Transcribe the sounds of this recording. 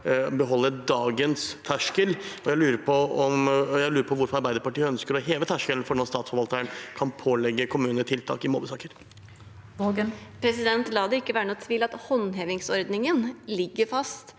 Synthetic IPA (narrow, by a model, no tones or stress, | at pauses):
bɛɦɔlːəɾd̪ɑːɡənst̪ʰæʂkəlɔjæɪlʉːɾəɾpʰɔɔmjæɪlʉːɾəpʰɔʋʊɾfɔɾɑɾbæɪd̪əɾpɑʈiːəœnskəɾɔɦeːʋət̪ʰæʂkəln̩fɔɳɔst̪ɑːt̪sfɔɾʋɑlt̪əɾəɳkʰɑnpʰoːlɛɡːəkʰʊmʉːnət̪ʰɪlt̪ʰɑ̰ːkɪmo̰ːbəsɑːkəɾ | ɡpʰɾɛsɪd̪ɛnt̪lɑːd̪ɛɪkːəʋæːɾəɳuːt̪ʰʋiːlɑt̪hɔnɦeːʋɪŋsɔɾd̪nɪŋənlɪɡːəɾfɑst̪